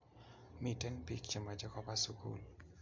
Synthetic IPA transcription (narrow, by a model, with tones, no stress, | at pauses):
mi˨tɛ˦npi˦kt͡ʃe˨ma˨d͡ʒɔ˦kɔ˦pa˦su˦kṵl